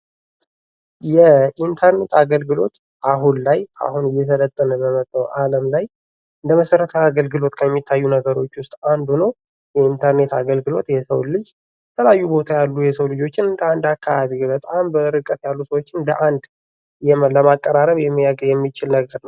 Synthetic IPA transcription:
jɛint̪ʰəɾne̞t̪aɡəlɡɨlo̞̰t̪ | ʔaɦunlaja̰hunɨjːɛt̪ʰələt̪ʼːənəbəmət̪ʼːəwʔaləmlaj | ɨnd̪əməsəɾət̪ʰəaɡəlɡɨlo̞t̪kʰəjɛmːit̪ʰːajːunəɡəɾo̞t͡ʃːwʊst̪ʼand̪unow | jɛint̪ʰəɾne̞t̪aɡəlɡɨlo̞t̪jɛsə̰wlɨd͡ʒ | bt̪ʰəlajːubo̞t̪ʰajalːujɛsəwlɨd͡ʒo̞t͡ʃːɪnɨnd̪əand̪akʰːaβaβibət̪ʼambəɾɨkʼːət̪jalːusəwo̞t͡ʃːɪnd̪əʔand̪ | jɛmləmakʼːəɾaɾəβjɛmːijaɡjɛmːit͡ʃɪlnəɡəɾnəww

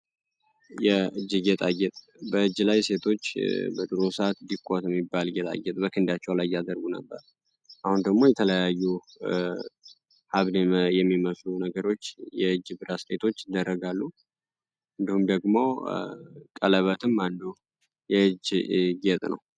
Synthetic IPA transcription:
jɛɨd͡ʒːɨɡɛt̪ʼaɡɛt̪ʼ | bəɨd͡ʒːlajse̞t̪ʰo̞t͡ʃːbəd̪ʼɨɾosəat̪d̪ikʷʼːot̪jɛmːibːalɡɛt̪ʼa̰ɡːɛt̪ʼbəkʰɨnd̪at͡ʃːɛwlajːad̪əɾɡunə̰bːəɾ | ʔahund̪əɡmo̞jɛt̪ʰələjajːu | haβd̪mjɛmːiməslunəɡəɾo̞t͡ʃːjɛɨd͡ʒːbɨɾasset̪ʰo̞t͡ʃːɪd̪ːəɾːəɡalːu | ʔɨnd̪ihumd̪əɡmo̞ | kʼələβət̪ʰɨmːand̪o | jɛɨd͡ʒɡet̪ʼnə̰w

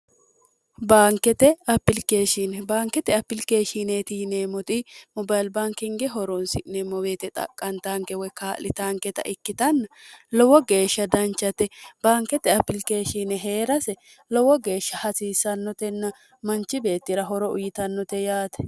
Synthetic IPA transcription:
baːŋkːɛt̪ɛɐpːɪlke̞ːʃinɛbaːŋkːɛt̪ɛɐpːɪlke̞ːʃiːneːt̪iːneːmɔt̪ʼɪmɔbɐjlbaŋkɪŋɡɛɦɔɾɔnsɪnemɔweːt̪ɛt̪ʼɐ̰kʼːɐnt̪aːŋkɛwɔjkaːlʔɪt̪aːŋkɛt̪ɐ̰ʔɪkːɪt̪ɐnːɐlɔwɔɡe̞ːʃːɐd̪ɐnt͡ʃːɐt̪ɛb̥aːŋkːɛt̪ɛɐpːɪlke̞ːʃinɛɦe̞ːɾɐsɛ | lɔwɔɡe̞ːʃːɐhɐsiːsɐnːɔt̪ɛnːɐ | mɐnt͡ʃːɪbe̞ːt̪ːɪɾɐɦɔɾɔʊ̰jɪt̪ɐnːɔt̪ɛjaːt̪ɛ̥

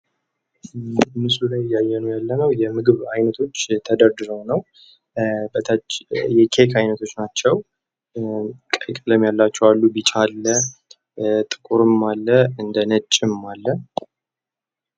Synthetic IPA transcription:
mɨsulajːajːɛnojalːənəwjɛmɨɡɨβajnət̪ʰo̞t͡ʃːt̪ʰəd̪əɾd̪ɨɾəwnəw | bət̪ʰjɛkʰekʰajnət̪ʰo̞t͡ʃːnat͡ʃːɛw | kʼəjkʼələmjalːat͡ʃːɛwalːubit͡ʃʼalːə | t̪ʼɨ̥kʼuɾɨmːalːəɨnd̪ənət͡ʃʼːɪmːalːə

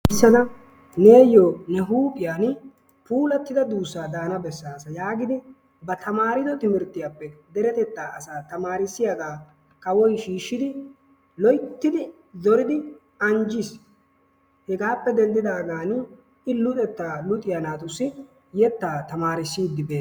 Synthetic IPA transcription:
ɪsːɐd̪ɐ | ne̞ːjɔnɛɦuːpʼɪjaːn | puːlɐt̪ːɪd̪ɐd̪uːsːaːd̪aːnɐbɛsːaːsɐjaːɡɪd̪ɪ | bɐt̪ʰɐmaːɾɪd̪ɔt̪ɪmɪɾt̪ːɪjapːɛd̪ɛɾɛt̪ɛt̪ːaːʔɐsaːt̪ɐmaːɾɪsːɪjaɡaː | kɐwɔjʃiːʃːɪd̪ɪ | lɔjt̪ːɪd̪ɪ | zɔɾɪd̪ɪ | ɐnd͡ʒɪs | hɛɡaːpːɛd̪ɛnd̪ɪd̪aːɡ̪aːn | ɪlʊt̪ʼɛt̪ːaːlʊt̪ʼɪjanaːt̪ʊsːɪ | jɛt̪ːaːt̪ɐmaːɾɪsːiːd̪ːɪbe̞ː

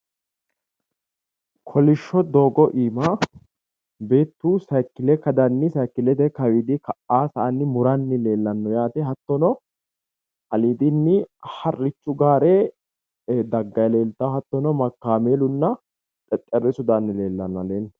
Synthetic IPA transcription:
kʰɔlɪʃːɔd̪o̞ːɡɔʔiːma | be̞ːt̪ːuːsɐjkːɪlɛkɐd̪ɐnːɪsɐjkːɪlɛt̪ɛkɐwiːd̪ɪkɐʔaːsɐːnːɪmʊɾɐnːɪle̞ːlːɐnːɔjaːt̪ɛɦɐt̪ːɔnɔ | ʔɐliːd̪ɪnːɪhɐrːɪt͡ʃːʊɡaːɾɛ | d̪ɐɡːɐjle̞ːlt̪ːɐhɐt̪ːɔnɔmɐkːaːmeːlʊnːɐ | t̪ʼɛt̪ʼːɛrɛsʊd̪anːɪle̞ːlːɐnːɔɐleːlː

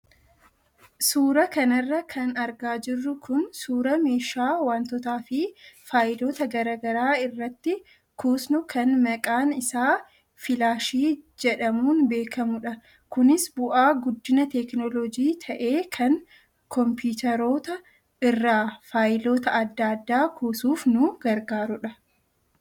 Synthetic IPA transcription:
suːɾɐkɐnɐrːɐkʰɐnɐɾɡaːd͡ʒɪrːʊkʰʊnsuːɾɐme̞ːʃaːwaːnt̪ɔt̪aːfɪfaːjɪlo̞ːt̪ɐɡɐɾaːɡɐɾaːɪrːɐt̪ːɪ | kʰuːsnʊkʰɐnmɐkʼaːnɪsaː | fɪlaːʃiːd͡ʒɛᶑɐmuːnbe̞ːkʰɐmʊᶑɐ | kʊnɪsbʊʔaːɡʊd̪ːɪnɐt̪ɛknɔlɔd͡ʒiːt̪ʰɐʔe̞ːkʰɐŋ | kɔmpjuːt̪ɐɾoːt̪ɐ | ɪrːaːfaːjɪlo̞ːt̪ɐɐd̪ːaːd̪ːaːkʰuːsuːfnʊɡ̥ɐɾɡaːɾʊᶑɐ

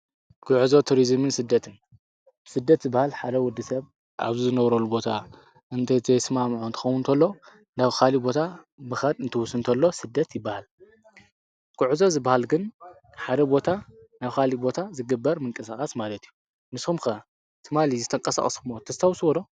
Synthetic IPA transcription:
kʰʊʕɨzot̪ʰuɾizɨmɨnsɨd̪ːɐt̪ʰɨn | bɨsɨd̪ːɐt̪zɨbːahalħad̪ɐwɔd̪isɐβ | ʔa̰βzizɨnɐβɾɐlubo̞t̪ʰa | ʔɨnt̪ʰɐt̪ʰɐsɨmamʕunt̪ɨ̥xɐwʊnt̪ʰɐlːo̞ | naβxalibo̞t̪ʰa | mɨxɐd̪ɨnt̪ʰɨwʊsɨnt̪ʰɐlːo̞sɨd̪ːɐt̪jɪbːahal | kʰʊʕɨzo̞zɨbːahalɡɨn | ħad̪ɐbo̞t̪ʰanaβkalibo̞t̪ʰazɨɡɨbːɐɾmɨŋkʼɐsakʼasmalɐt̪ʰiju | nɨshumkɐ | t̪ʰɨmalizɨt̪ʰʼɐŋkʼɐsa̰xʼɐskʰɨmot̪ʰɐzt̪ʰawswɐɾo

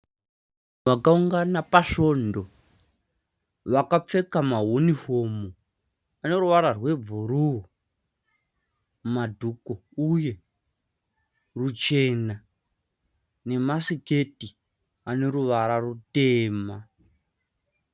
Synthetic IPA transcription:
ʋakauŋɡanapaʃo̞ndo̞ | ʋakap͡fe̞kamaɦonifomu | ane̞ɾuʋaɾarwe̞b͡vuɾuɦu | madʱukouje̞ | rut͡ʃe̞na | ne̞masike̞ti | ane̞ɾuʋaɾarute̞ːma

